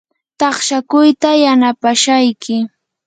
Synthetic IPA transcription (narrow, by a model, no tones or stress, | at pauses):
t̪ɑχʃakʊjt̪ajanapaʃajkɪ